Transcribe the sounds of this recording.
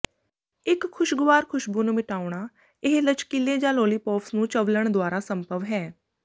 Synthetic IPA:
ɪkʰːʊʃɡʊʋaːɾkʰʊʃbuːnũːmɪʈaːʊɽ̃aː | ɪɦlət͡ʃkileːd͡ʒãːloːliːpɔːpsnũːt͡ʃəʋləɳd̪oaːɾaːsəmpəʋɦɛː

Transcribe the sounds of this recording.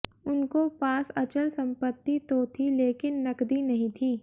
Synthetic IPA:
ʊnkopaːsɐt͡ʃəlsɐ̃mpət̪ːit̪ot̪ʰileːkɪnːɐkd̪inɐɦĩt̪ʰiː

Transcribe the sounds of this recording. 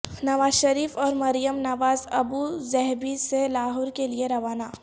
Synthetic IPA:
nɐʋaːzʃɐɾiːfɔːɾmɐɾijəmnɐʋaːzɐbuzɛɦbiselaːɦʊːɾkelieɾɐʋaːnaː

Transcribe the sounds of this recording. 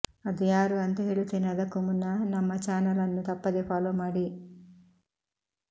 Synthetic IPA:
ɐd̪ijaːɾuɐnt̪eɦeɭut̪inɐd̪ɐkumunːɐnɐmːɐt͡ʃaːnɐlɐnːut̪ɐpːɐd̪epʰaːlomɐɽi

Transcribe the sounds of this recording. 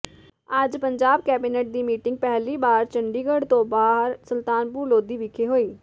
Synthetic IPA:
əd͡ʒpəɲd͡ʒaːb̚kɛːbiːnɛːʈ̚d̪iːmiːʈɪŋɡ̚pɛɦliːbaːɾt͡ʃəɳɖiːɡəɽt̪õːbaːɦəɾsəlt̪aːnpuːloːd̪iːʋɪkʰeːɦoːiː

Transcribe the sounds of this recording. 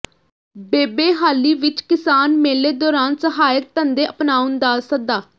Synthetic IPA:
beːbeːɦaːliːʋɪt͡ʃkɪsaːnmeːleːd̪ɔːɾaːnsəɦaːjək̚t̪ənd̪eːʔəpnaːʊnd̪aːsək̚d̪aː

